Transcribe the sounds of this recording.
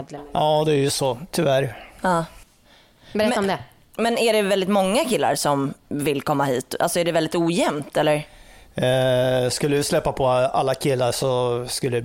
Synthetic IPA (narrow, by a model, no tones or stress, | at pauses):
d̪jɑːd̪ɛæɾjɵsɔt̪ʰʏvæɾɑː | bɛɾɛmd̪ɛ | mɛnæɖɛvɛld̪ɪt̪mɔŋːakʰɪlːa̰ɾʂɔmvɪlkʰɔmːahiːt̪a̰lsɔæɖɛvɛld̪ɪt̪uːjɛmt̪ɛlːəɾ | skɵlːəvɪslɛpːapʰɔalːakʰɪlːaʂɔskɵlːə